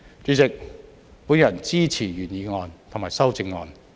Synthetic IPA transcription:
t͡ʃyː˨˥t͡sɪ˨k̚ | puː˨˥njɐ˨˩nt͡siː˥t͡sʰiː˨˩ɥyː˨˩njiː˨˧ŋɔː˧nt̪ʰo˨˩ŋmaː˨˩jsɐ˥wt͡sɪ˧ŋːɔː˧n

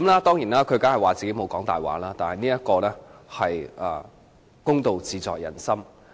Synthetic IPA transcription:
mlaː˥t̪ɔː˥ŋjiː˨˩naː˥kʰɵ˨˧ɥkaː˥ɦɐ˨˩waː˨˩t͡siː˨ke˨˥jmo˨˧wkɔː˨˥ŋt̪aː˨˩jwa̰ː˨˥laː˥t̪aː˨nhɐ˨˩niː˥jɐ˥t̚kɔː˧lɛː˥hɐ˨˩jɐ̰˨˧ | kʊ˥ŋt̪o˨˧wt͡siː˨˧t͡sɔ̰ː˨k̚jɐ̰˨˩nsɐ˥m

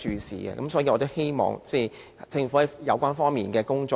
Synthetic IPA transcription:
t͡ʃyː˨˧sḭː˨˩ɛ̰˧kɐ˨˦msɔː˨˥ji˧ɔː˨˧t̪o˥whe˥jmɔ̰ː˨˩ŋt͡sɛ˥˩j | t͡sɪ˧ŋfu˨˥˨jɐ̰˨˧wkʷaː˥nfɔː˥ŋmiː˨˩nkɛː˧kʊ˥ŋt͡ʃɔː˧

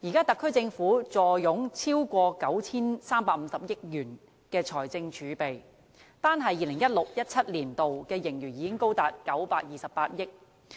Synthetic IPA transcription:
jiː˨˩kaː˥t̪ɐ˨kʰːɵ˥ɥt͡sɪ˧ŋfuː˨˥t͡sɔː˨˩jʊ˨˥ŋt͡sʰiː˥wkʷɔː˧kɐ˨˥wt͡sʰiː˥nsaː˥mpaː˧˥m̩˨˧˦sɐ˨p̚jɪ˥k̚jyː˨˩n | kɛː˧t͡ʃʰɔː˨˩jt͡sɪ˧ŋt͡ʃʰyː˨˧˦pe˨˩j | t̪aː˥nɦɐ˨jːiː˨˧lɪ˨˩ŋjɐ˥t̚lʊ˨k̚jɐ˥t̚t͡sʰɐ˥t̚liː˨˩nt̪o˨wkɛː˧jɪ˨˩ŋjyː˨˩niː˨˧kɪ˥ŋko˥wt̪aː˨t̚kɐ˨˥wpaː˧k̚jiː˨˩sɐ˨pːaː˧t̚jɪ˥k̚

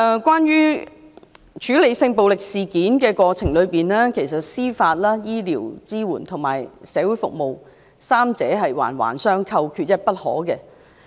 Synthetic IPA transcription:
kʷwʷaː˥nɥyː˥ | t͡ʃʰyː˨˥le˨˧jsɪ˧ŋpo˨wlɪ˨k̚siː˨kiː˨˥nkɛː˧kʷɔː˧t͡sʰɪ˨˩ŋlɵ˨˧ɥpiː˨˩nlɛː˥kʰe˨˩jsɐ˨t̚siː˥faː˧t̚laː˥jiː˥liː˨˩wt͡siː˥wuː˨˩nt̪ʰʊ˨˩ŋma̰ː˨˩jsɛː˨˧wuː˨˥jfʊ̰˨k̚mo˨w | saː˥mt͡sɛː˨˥ɦɐ˨jwa̰ː˨˩nwa̰ː˨˩nsœː˥ŋkʰɐ˧wkʰyː˧t̚jɐ˥t̚pɐ˥t̚hɔ̰ː˨˥kɛː˧

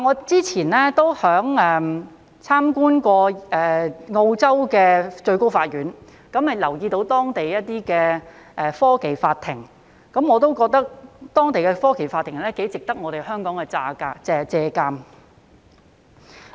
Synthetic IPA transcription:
ŋɔː˨˧t͡siː˥t͡sʰiː˨˩nlɛː˥t̪o˥whœː˨˥ŋɛː˨m | t͡sʰaː˥mkuː˥nkɔː˧ɛː˨ŋo˧wt͡sɐ˥wkɛː˧t͡ʃɵ˧ɥko˥wfaː˧t̚jyː˨˥n | kɐ˨˥mhɐ˨jlɐ˨˩wjiː˧t̪o˨˥wt̪ɔː˥ŋt̪e˨jjɐ˥t̚t̪iː˥kɛː˧ | ʔɛː˨fɔː˥ke˨jfaː˧t̪ʰɪ˨˩ŋ | kɐ˨˥mŋɔː˨˧t̪o˥wkɔː˧k̚t̪ɐ˥k̚t̪ɔː˥ŋt̪e˨jkɛ˧fɔː˥ke˨˩jfaː˧t̪ʰːɪ˨˩ŋlɛː˥ke˨˥jt͡sɪ˨k̚t̪ɐ˥k̚ŋɔː˨˧ɾe˨˩jhœː˥ŋkɔː˨˥ŋkɛ˧t͡saː˧kaː˧t͡sɛ˨˩t͡sɛː˧kaː˧m

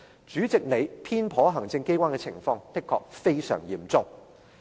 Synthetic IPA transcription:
t͡ʃyː˨˥t͡sɪ˨k̚ne˨˧jpʰiː˥npʰɔː˨˥ɦɐ˨˩ŋt͡sɪ˧ŋke˥jkʷwaː˥nkɛ˧t͡sʰɪ˨˩ŋfɔː˧ŋt̪ɪ˥kʰːɔ̰ː˧k̚fe˥jsœ̰ː˨˩ŋjiː˨˩mt͡sʊ˧ŋ

